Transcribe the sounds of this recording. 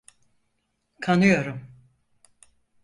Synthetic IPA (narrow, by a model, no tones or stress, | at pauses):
kʰanɯjo̞ɾum